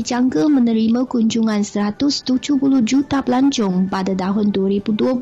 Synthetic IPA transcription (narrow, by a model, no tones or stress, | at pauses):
id͡ʒaŋkəmə̃nə̃ɾimãkuɲd͡ʒuŋãnsəɾat̪ʊst̪ud͡ʒuhpulʊhd͡ʒut̪apəlaɲt͡ʃʊŋpadat̪aɦʊnduaɾibudua